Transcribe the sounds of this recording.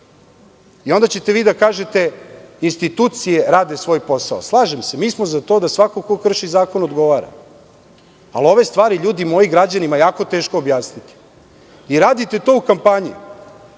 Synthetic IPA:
io̞nd̪at͡ɕe̞t̪e̞ʋiːd̪akaːʒe̞t̪e̞inst̪it̪uːt̪sije̞ɾaːd̪e̞sʋo̞ːjpo̞sao̰slˠaːʒemse̞miːsmo̞zat̪o̞d̪asʋako̞kokr̩ʃizaːko̞nod̪ɡo̞ʋaːɾa̰ | a̰lo̞ʋe̞st̪ʋaːɾiʎuːd̪imo̞iɡɾad͡ʑanimajaːko̞t̪e̞ːʃkoːbjaːsnit̪i̥ | iɾaːd̪it̪e̞t̪o̞ukampaɲi

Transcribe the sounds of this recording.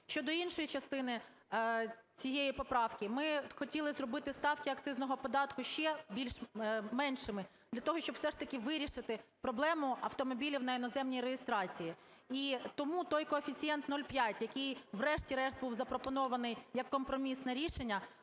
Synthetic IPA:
ʃʲt͡ʃɔd̪ɔinʃɔjit͡ʃɐst̪ɪnɪ | t͡sʲijejipɔpɾɑwkʲɪmɪxɔtʲilˠɪzrɔbɪt̪ɪst̪ɑwkʲɪɐkt̪sɪznɔɦɔpɔd̪ɑt̪kʊʃt͡ʃɛbʲilʲʃmɛnʃɪmɪ | d̪lʲɐt̪ɔɦɔʃʲt͡ʃɔbwsɛʐt̪ɐkʲɪʋɪɾʲiʃɪt̪ɪpɾɔblˠɛmʊɐwt̪ɔmɔbʲilʲiwnɐɪnɔzɛmnʲijɾejɪst̪ɾɑt͡sʲiji | it̪ɔmut̪ɔjkɔɐfʲit͡sʲijɛnt̪nɔlʲpʲjatʲjɐkʲɪjʋɾɛʃtʲiɾɛʃd̪̚buwzɐpɾɔpɔnɔʋɐnɪjjɐkːɔmpɾɔmʲisnɛɾʲiʃenʲːɐ

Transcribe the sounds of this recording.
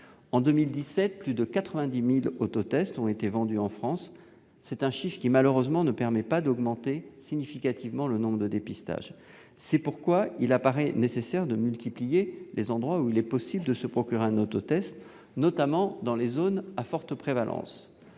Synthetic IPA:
ɑ̃d̪ømild̪isɛt̪̚plyd̪əkat̪χəvɛ̃d̪imilot̪ot̪ɛst̪ɔ̃et̪evɑ̃d̪yɑ̃fχɑ̃sː | ɛt̪ɛ̃ʃifkʲimaløʁøzmɑ̃nəpɛʁmɛpad̪ɔɡmɑ̃t̪esiɲifikat̪ivmɑ̃lənɔ̃bʁəd̪əd̪epist̪a̰ʒ | sɛpuʁkwailapaʁɛnesesɛʁd̪əmylt̪iplijelʔezɑ̃d̪ʁwauilɛpɔsibld̪əsəpχɔkʲyʁeɛ̃not̪ot̪ɛst̪ | nɔt̪amɑ̃d̪ɑ̃lezonafɔʁt̪əpχevalʔɑ̰̃s

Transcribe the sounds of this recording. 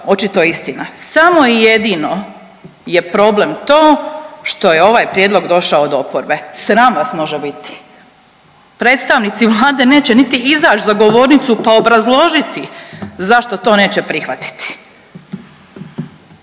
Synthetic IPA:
o̞t͡ʃit̪o̞ist̪inasamo̞ije̞d̪ino̞ | je̞pɾo̞ble̞mt̪o̞ːʃt̪o̞jeo̞ʋaːjpɾjed̪lˠo̞ɡd̪o̞ʃaod̪o̞poɾbe̞sɾaːmʋasmo̞ʒebit̪i̥ | pɾe̞ːt̪st̪aʋnit̪siʋlˠaːd̪e̞ne̞ːt͡ɕenit̪iizaːt͡ʃzaɡo̞ʋo̞ːɾnit̪supao̞bɾazlˠo̞ʒit̪izaʃt̪o̞t̪o̞ːne̞ːt͡ɕepɾixʋat̪i̥t̪i̥

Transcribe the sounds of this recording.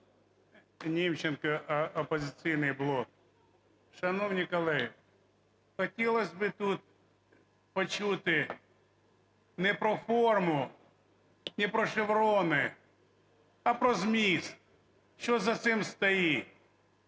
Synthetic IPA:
nʲimt͡ʃːɪnkɐʔɔpɔzʲɪt̪sijnɪjblˠɔk̚ | ʃɐnɔwnʲikɐlˠɛ | xɔtʲilˠɐsʲbɪt̪ut̪̚ | pɔt͡ʃut̪ɪ | nɛpɾɔfɔrmʊ | nʲɪpɾɔʃɪʋɾɔnɪ | ɐpɾɔzmʲis | ʃɔzɐt̪sɪmst̪ɔji

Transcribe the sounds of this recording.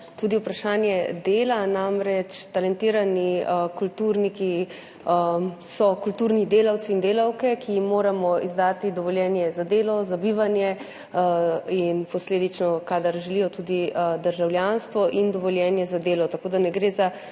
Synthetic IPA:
t̪ud̪iupɾaʃaːnjɛd̪eːlanamɾɛt͡ʃt̪alɛnt̪iːɾanikult̪uɾniki | sɔkult̪uːɾnid̪eːlawt̪siːnd̪eːlawkɛkijimːoːɾamɔizd̪aːt̪id̪ɔʋɔljɛːnjɛzad̪eːlɔzabiʋanjɛ | inpɔsleːd̪it͡ʃnɔkaːd̪aɾʒɛlijɔt̪ud̪id̪əɾʒawljanst̪ʋɔʔind̪ɔʋɔljɛːnjɛzad̪eːlɔt̪akoːd̪anɛɡɾeːza

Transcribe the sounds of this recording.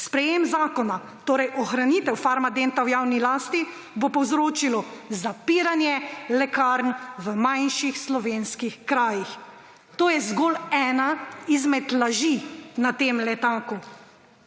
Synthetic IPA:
spɾɛjemzaːkɔna | t̪oːɾɛjɔxɾaniːt̪ɛwfaːɾmad̪ent̪awjaːwnilaːst̪i | bopɔwzɾoːt͡ʃilɔzapiːɾanjɛlɛkaɾnʋəmajnʃixslɔʋeːnskixkɾaːjix | t̪oːjɛzɡoːlɛːnaizmɛt̪laʒinat̪eːmlɛt̪aːku

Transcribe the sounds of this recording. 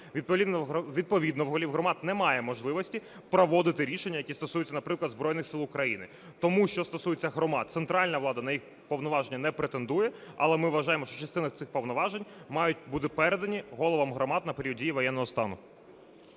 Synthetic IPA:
ʋʲipɔiʋʲid̪̚pɔʋʲid̪nɔʋɦɔlʲiwɦrɔmɑt̪nɛmɑjɛmɔʒlˠɪʋɔsʲtʲi | pɾɔʋɔd̪ɪt̪ɪɾʲiʃenʲːɐjɐkʲist̪ɔsujʊt͡sʲːɐnɐpɾɪklˠɐd̪zbɾɔjnɪxsɪlˠʊkɾɐjinɪ | t̪ɔmuʃt͡ʃɔst̪ɔsujet͡sʲːɐɦɾɔmɑt̪̚t̪sent̪ɾɑlʲnɐʋlˠɑd̪ɐnɐjix | pɔʋwnɔʋɑʒenʲːɐnɛpɾet̪end̪ujɛɐ̰lˠɛmɪʋʋɐʒɑjemɔʃt͡ʃɔt͡ʃɐst̪ɪnɐt̪sɪxpɔwnɔʋɑʒenʲmɑjʊt̚ʲbud̪ɪpɛɾed̪ɐnʲiɦɔlˠɔʋɐmɦɾɔmɑd̪nɐpeɾʲiɔdʲijiʋɔjɛnːɔɦɔst̪ɑ̰nʊ

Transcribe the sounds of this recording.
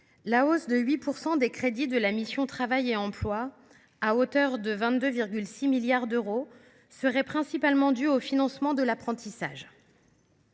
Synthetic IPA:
laosd̪əɥipuʁsɑ̃d̪ekχed̪id̪əlamisjɔ̃t̪χavajeɑ̃plwa | aot̪œʁd̪əvɛ̃t̪̚d̪øviʁɡʲylsimiljaʁd̪øʁo | səʁɛpχɛ̃sipalmɑ̃d̪yofinɑ̃smɑ̃d̪əlapχɑ̃t̪isa̰ʒ

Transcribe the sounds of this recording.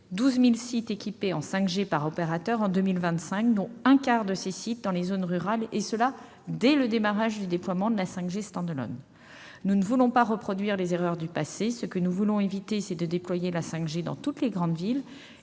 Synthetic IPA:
d̪uzmilsit̪ekʲipeɑ̃sɛ̃kʒepaʁɔpeʁat̪œʁɑ̃d̪ømilvɛ̃t̪sɛ̃k̚d̪ɔ̃ɛ̃kaʁd̪əsesit̪̚d̪ɑ̃lezonʁyʁalesəla | d̪ɛləd̪emaʁaʒd̪yd̪eplwamɑ̃d̪əlasɛ̃kʒest̪ɑ̃d̪lɔ̰n | nunəvulɔ̃paʁəpχɔd̪ɥiʁlezeʁœʁd̪ypasesəkənuvulɔ̃evit̪esɛd̪əd̪eplwajelasɛ̃kʒed̪ɑ̰̃t̪ut̪leɡʁɑ̃d̪vil

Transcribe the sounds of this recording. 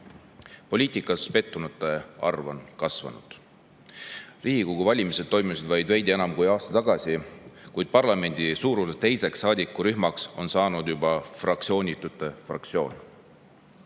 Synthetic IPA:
po̞liːt̪ˑikːˑɑspe̞t̪ːunut̪ːˑeɑrvo̞nkɑsvɑ̰nṵd̪̥ | rʔiːɡikoɡ̥uvɑlʲimised̪o̞jmusid̪vɑjd̪̥vejd̪ie̞nɑmkujɑːst̪ɑt̪ɑɡ̥ɑsikujd̪̥̚pɑrlɑme̞nʲd̪̥isuːɾuet̪e̞jse̞ksːɑːd̪ikːˑuɾyɦmɑkso̞nsɑːnud̪̥jubɑfrɑk̚t̪sio̞ːnʲit̪ːˑut̪ːˑe̞frɑ̰k̚t̪sio̞ːn

